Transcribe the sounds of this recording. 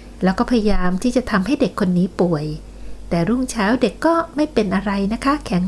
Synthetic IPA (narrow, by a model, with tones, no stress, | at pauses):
lɛː˦˥wkɔː˥˩pʰa˧ja˧jaː˧mt̪ʰiː˥˩t͡ɕa˨˩ʔt̪ʰa˧mɦa˥˩jde˨˩kʰːo˧nːiː˦˥pu˨˩əj | t̪ɛː˨˩ɾu˥˩ŋt͡ɕʰaː˦˥wde˨˩kːɔː˥˩ma˥˩jpe˧nʔa˧ɾa˧jna˦˥kʰa˦˥kʰɛ˨˩˦ŋ